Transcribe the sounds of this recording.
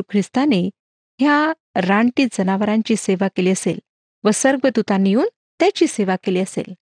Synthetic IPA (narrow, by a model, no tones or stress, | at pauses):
ukʰɾist̪ane | ɦja | ɾaɳʈiːd͡zənaʋəɾãɲt͡ɕiːseʋakeliːəsḛl | ʋəsəɾɡʋəd̪ut̪ãniuːn | t̪jat͡ɕiːseʋakeliəsḛl